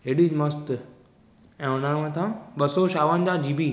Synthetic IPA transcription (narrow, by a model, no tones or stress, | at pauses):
ɦeɗimɐst̪ | ɛ̃ːʊnamẽt̪ʰãɓɐsoʃaːʋənd͡ʑad͡ʑiːbiː